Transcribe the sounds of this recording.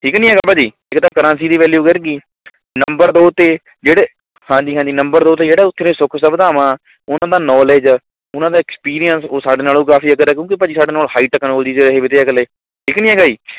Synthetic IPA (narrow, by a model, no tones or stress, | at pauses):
ʈʰiːknĩːɛːɡaːbaːd͡ʒiː | ɪkt̪ãːkəɾãːsiːd̪iːʋɛːljuːkəɾɡiː | nəmbəɾd̪oːt̪eː | d͡ʒeːɽeː | hãːd͡ʒiːɦãːd͡ʒiːnəmbəɾd̪oːt̪eːd͡ʒeːɽaːʊt̪ʰːeːɾeːsʊkʰsəbd̪aːmãː | ʊnãːd̪aːnɔːleːd͡ʒ | ʊnãːd̪aːɪkspiːɾijənsoːsaːɖeːnaːlũːkaːfiːəɡəɾɛːk̬jõːkipəd͡ʒiːsaːɖeːnaːlhaːiʈəkənoːld̪iːd͡ʒeːɾəɦeːʋɪt̪eːɛkəleː | ʈʰiːknĩːɛːɡaːiː